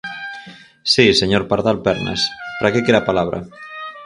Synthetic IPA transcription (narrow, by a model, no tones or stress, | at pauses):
siseɲoɾpaɾðalpɛɾna̰spɾakekeɾapalaβɾʔa̰